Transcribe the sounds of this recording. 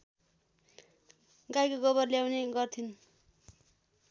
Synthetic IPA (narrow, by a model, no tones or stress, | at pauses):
ɡajkoɡʌβʌrljawneɡʌrt̪ʰin